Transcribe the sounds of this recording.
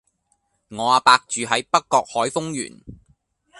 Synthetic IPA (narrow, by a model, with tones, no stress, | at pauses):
ŋɔː˨˧aː˨˧paː˧k̚t͡ʃyː˨ɦɐ˨˥jpɐ˥kːɔː˧k̚hɔː˨˥jfʊ˥ŋjy̰ː˨˩n